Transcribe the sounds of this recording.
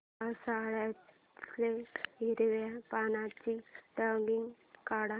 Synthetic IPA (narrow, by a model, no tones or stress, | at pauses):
asaɽa | leɦiɾʋapanat͡ɕiʈəŋɡiŋɡ | kaɽa